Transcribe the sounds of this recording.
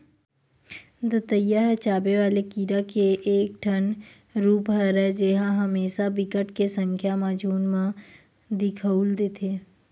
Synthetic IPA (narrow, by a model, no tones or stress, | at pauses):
d̪ət̪əjːaɦɛt͡ʃaːbeʋaːlekiːɾakeʔeːk̚ʈʰən | ɾuːpɦɛɾɛd͡ʒeɦãɦɐmeːʃabɪkəʈkesə̃ŋkʰjamaːd͡ʒuːnmã | d̪ɪkʰəuld̪eːt̪ʰeː